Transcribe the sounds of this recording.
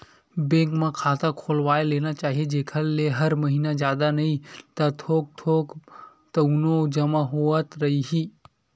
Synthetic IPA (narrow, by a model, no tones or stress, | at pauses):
bẽkmãkʰaːt̪ãkʰolʋaːelenat͡ʃaːɦijed͡ʒeːkʰəlːeɦəɾməɦinad͡ʒjaːd̪anɐɦĩt̪at̪ʰok̚t̪ʰok | t̪ənod͡ʒəmãɦoət̪ɾəɦiɦiː